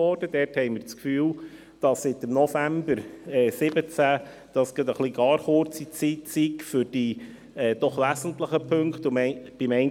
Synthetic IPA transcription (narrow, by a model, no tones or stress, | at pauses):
ɔːɾd̥əd̥ɛːrthɛɪmɪːɾt͡skfyːl | d̥ɑsːɪtəmnɔfæmbəɾɛːsɪbət͡sæ | d̥ɑsɡ̥ɪt̪əχliɡɑːɾχʊɾt͡sit͡sit͡sitfʏɾd̥i | ɛːd̪̥ɔχlæsən̩tləχəpʰɵŋkχt̪ʊmɛb̥ɪmɛn